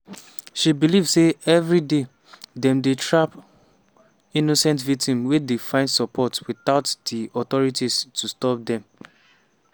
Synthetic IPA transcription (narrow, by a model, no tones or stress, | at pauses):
ʃibilivseɛvɹide | dɛ̃mdetɹap | inosɛ̃ntvik̚tʰĩmwedefãɪ̃ndsɔpʰɔtwiθaʊtd̥iɔt̪ɔɹitistʰustɔp̚dɛ̃m